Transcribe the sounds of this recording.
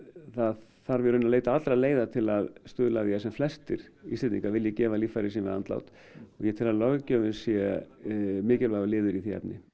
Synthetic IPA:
θað | θaɾvɛɾʏnaleːjt̪aat̪ɾaleːjðat̪ʰɪlaðst̪ʏːðlaðjɛsɛmflɛst̪ɪɾ̥iːst̪ɛnt̪nĩŋkavɪljɛcɛːvaliːfajɾɪsɛnmvɪðant̪la̰wt̪ | ɔɣjɛt̪ʰɪlaðlɔɣcœːvɪnsjɛ | mɪːcɪlvaɣalɪːðʏɾiθiɛ̰pnɪ

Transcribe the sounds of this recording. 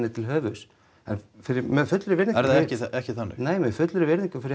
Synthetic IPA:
nɪt̪ʰɪlɦœːvʏs | ɛ̰nfɪɾɪɾmɛðfʏt̪lʏɾɪvɪɾnĩŋɛɾððaɛhcɪɛhcɪθanːɪ̰xneːjmɛðfʏt̪lʏɾɪvɪɾniŋkʏfɪɾɪ

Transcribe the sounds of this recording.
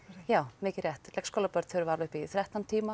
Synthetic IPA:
jaːwmɪːcɪrjɛht̪lɛhkskowlapœɾt̪θʰœɾʏvaɾlʏhpiθɾɛht̪ːant̪ʰiːma

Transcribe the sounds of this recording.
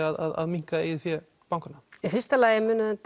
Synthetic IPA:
aða̰ða̰ðmiŋ̥kaɪθjɛ | pawŋkaɾnaifɪrst̪alaːjɪmʏːnʏɛt̪

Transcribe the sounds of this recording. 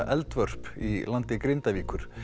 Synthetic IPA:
ʔɛlt̪vœr̥pilant̪ɪkɾejnt̪aviːkʏɾ̥

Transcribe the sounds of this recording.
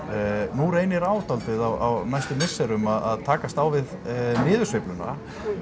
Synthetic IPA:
nuɾejnɪɾaːwt̪alt̪vɪðawa̰wnajst̪ʏmɪsːɛɾʏmaðaðt̪ʰaːkast̪awvɪðnɪːðʏsɪplʏna̰

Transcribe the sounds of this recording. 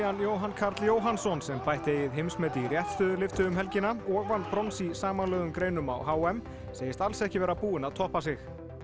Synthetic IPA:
anjoːwɦankʰaɾt̪ljoːwɦansɔnsɛmpajht̪ɪheːjɪðɦejmsmɛːt̪ɪirjɛht̪st̪œːðʏlɪft̪ʏʏmɦɛlcɪnaɔːɣvanːpɾɔnsisaːmanlœːðʏmkɾeːjnʏma̰whaːwɛm | seːjɪst̪alsɛhcɪvɛːɾapuːɪnaðt̪ʰɔhpasɪx

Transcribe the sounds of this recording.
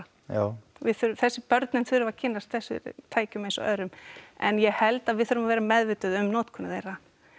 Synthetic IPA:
avɪðθʏɾθɛsːɪpœɾt̪nɪnθʏɾʏvacʰɪnːast̪θɛsːʏ̰ɾt̪ʰaːjcʏmesɔ̰ʔœ̰ðɾʏmɛ̰njɛhɛlt̪aðvɪðθʏɾʏmavɛːɾamɛðvɪːt̪ʏðʏmnoːt̪kʰɔnɪθejra

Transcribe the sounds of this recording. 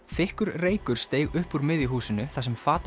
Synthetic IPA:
θɪhkʏɾreːjkʏɾ̥st̪eːjɣʏhpuɾmɪðiɦuːsɪnʏθasɛmfaːt̪

